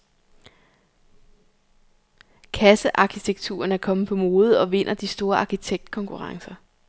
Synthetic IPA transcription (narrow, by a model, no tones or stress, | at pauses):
kʰæsəʔɑ̈kʰit͡sʰeɡ̥̚t͡sʰṵːɐnæɐkʰɒ̽mð̩pʰɒ̽mo̝ːð̩ˠɒ̽ʋe̝n̰ʔɐd̥isd̥o̝ːɐɑ̈kʰit͡sʰeɡ̥̚d̥̚kʰɒ̽ŋkʰuʁɑ̈ŋsɐ